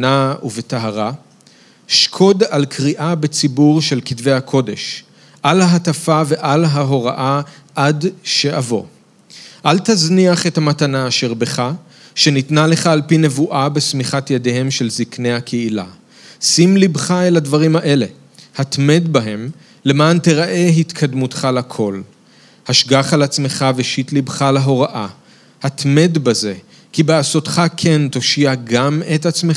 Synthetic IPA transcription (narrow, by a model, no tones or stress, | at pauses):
nauvetaɦaʁa | ʃkʰo̞dalkʰʁiʔabet͡sibuʁʃe̞lkidve̞jhakʰo̞de̞ʃ | ʔalaɦatafave̞ʔalɦaɦo̞ʁaʔa | ʔadʃe̞ʔavo̞ | ʔaltazniaχe̞thamatanaːʃe̞ʁbe̞χa | ʃe̞nitnale̞χaːlpine̞vuʔabe̞smiχatjedehe̞mʃe̞lzikne̞jhakʰeila̰ | simlibχaelhadvaʁimaʔe̞le̞ | hatme̞d̪baɦe̞m | le̞maːnteʁaʔe̞ɦitkʰad̪mut̪χalakʰo̞l | haʃɡaχalat͡sme̞χaveʃit̪libχaleɦo̞ʁaʔa | hat̪me̞d̪baze̞ | kibeaso̞tχakʰe̞nt̪o̞ʃiaɡametat͡smea